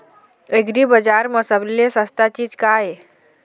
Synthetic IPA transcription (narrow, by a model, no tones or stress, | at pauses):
eɡɾibəd͡ʒaɾməsəblesəst̪at͡ʃiːd͡ʒkaɦe